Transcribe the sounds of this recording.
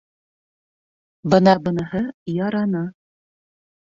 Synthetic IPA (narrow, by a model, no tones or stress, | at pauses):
bɤnɑbɤ̆nɤ̆hɤjɑɾɑnɤ